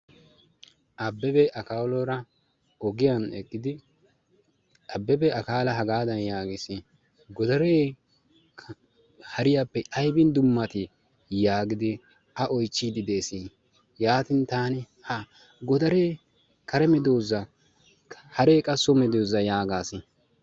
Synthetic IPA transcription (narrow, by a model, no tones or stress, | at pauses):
ʔɐbːɛbɛʔɐkaːwlɔɾɐ | ɔɡɪjɐnɛkʼːɪd̪ɪ | ɐbːɛbɛɐkaːlɐɦɐɡaːd̪ɐnjaːɡɪsɪ | ɡɔd̪ɐɾeː | hɐɾɪjapːɛʔɐjbɪnd̪ʊmːɐt̪ɪ | jaːɡɪd̪ɪ | ɐʔɔjt͡ʃːid̪ɪd̪e̞ːsi | jaːt̪ɪnt̪aːnɪ | hɐ | ɡɔd̪ɐɾeː | kɐɾɛmɛd̪oːzɐ | hɐɾeːkʼɐsːɔmɛd̪oːzɐjaːɡaːsɪ